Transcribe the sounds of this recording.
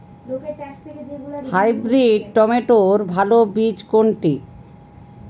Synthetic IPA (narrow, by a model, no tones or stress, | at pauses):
hajbɾiɖ̚ʈɔmeʈoɾbʱalobid͡ʑkoɳʈi